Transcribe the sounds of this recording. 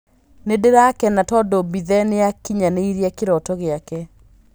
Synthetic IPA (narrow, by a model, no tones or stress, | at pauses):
nedeɾakɛnatɔdɔbiðɛnejakiɲaneiɾiɛkeɾɔtɔɣeakɛ